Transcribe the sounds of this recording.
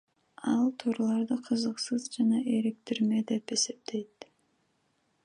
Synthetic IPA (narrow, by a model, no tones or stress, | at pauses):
ɑlˠt̪ʰuːɾɑlˠɑɾd̪ɯqʰɯzɯqsɯzd͡ʒɑnɑʔe̞ɾek̚t̪iɾme̞d̪e̞pe̞se̞p̚t̪e̞jt̪